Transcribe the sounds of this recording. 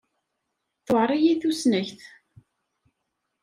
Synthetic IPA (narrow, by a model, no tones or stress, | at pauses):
θoʕɾˤijiθusnæçθ